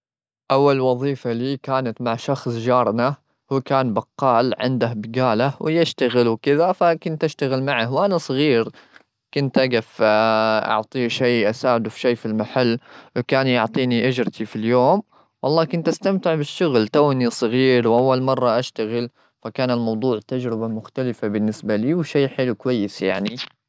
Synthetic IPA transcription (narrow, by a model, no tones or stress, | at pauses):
ʔawːalwɑðˤiːfaliːkaːnat̪maʕʃɑxsˤd͡ʒɑːɾˤna | huːkaːnbɑqːɑːlʕɪ̰nd̪ahbɪɡaːlawjɪʃt̪aɣɪlwkɪðafakʊnt̪ʔaʃt̪aɣɪlmaʕahwʔanasˤɑɣiːɾ | kʊnt̪ʔaɡaf | ʔɑ̰ʕt̪ˤiʃiːʔasaːʕɪd̪ufʃeːfilmaħalːwkaːnjʊʕt̪ˤiːniʔad͡ʒɾt̪ʰifiljoːm | wʔɑlˤːɑːkʊnt̪ʔast̪amt̪ɪʕbɪʃːʊɣlt̪awnisˤɨɣiːɾwʔawːalmɑrˤːɑʔaʃt̪aɣɪl | fakaːnɪlmɑwd̪ˤuːʕt̪ad͡ʒɾɪbamʊxt̪alɪfabɪnːɪsbaliːwʃiːħɪlukwajːɪsja̰ʕni